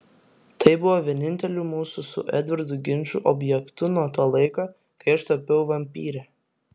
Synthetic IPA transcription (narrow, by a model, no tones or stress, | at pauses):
t̪ɐɪbʊʋoːʋʲiɛnʲɪnʲt̪ʲɛlʲuːˑmuːsʊsʊ̰ʔɛ̰d̪ʲʋʲɪɾd̪ʊɡʲɪnʲt͡ʃʲʊʔɔbʲjɛkt̪ʊnuɔt̪oːlˠɐɪkɑː | kɐɪɐʃt̪oːpʲɛʊʋɐmʲpʲiːɾʲɛ